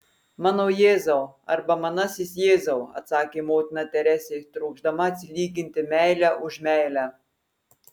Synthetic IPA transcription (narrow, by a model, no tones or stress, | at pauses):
mɑːnoːjeːzɐʊɐ̰ɾbɐmɑnɑsʲɪs̬ʲjeːzɐʊɐ̰t̪sɑːkʲeːmoːt̪ʲɪnɑt̪ʲɛɾʲæsʲet̪ɾuːɡʒd̪ɐmɐɐt̪ʲsʲɪlʲiːɡʲɪnʲt̪ʲɪmʲæˑɪlʲæʔʊʒmʲæˑɪlʲæ